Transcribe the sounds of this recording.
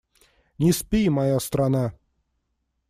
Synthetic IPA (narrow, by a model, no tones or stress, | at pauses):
nʲɪspʲimajast̪ɾana